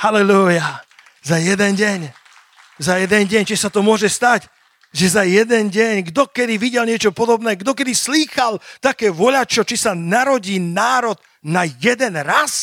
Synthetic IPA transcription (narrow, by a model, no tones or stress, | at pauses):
halɛluja | zajɛd̪ɛnɟɛɲ | zajɛd̪ɛnɟɛɲt͡ʃɛsat̪ɔmʊɔʒɛst̪aɟ | ʒɛzajɛd̪ɛnɟɛɲɡd̪ɔkɛd̪iʋiɟɛlɲɪɛt͡ʃɔpɔd̪ɔbnɛːɡd̪ɔkɛd̪isliːxalt̪akɛːʋɔʎat͡ʃɔt͡ʃisanaɾɔɟiːnaːɾɔd̪ | najɛd̪ɛnɾas